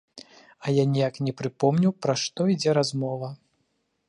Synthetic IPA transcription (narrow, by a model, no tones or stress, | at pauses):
ɐjanʲijaknʲɛpɾɨpɔmnʲuwpɾaʂt̪ɔid͡zʲɛɾazmɔvɐ